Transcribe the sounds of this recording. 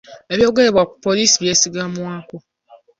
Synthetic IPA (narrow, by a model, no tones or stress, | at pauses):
eβjoɡeeβwakʷupoliːsiβjesiɡamuako